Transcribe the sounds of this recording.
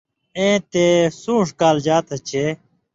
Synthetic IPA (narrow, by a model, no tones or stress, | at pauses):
ẽːt̪esũːʂkaːld͡ʑaːt̪ɐt͡ɕʰe